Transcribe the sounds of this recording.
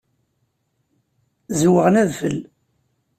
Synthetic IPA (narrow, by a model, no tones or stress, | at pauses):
zwəʁənæðfə̰l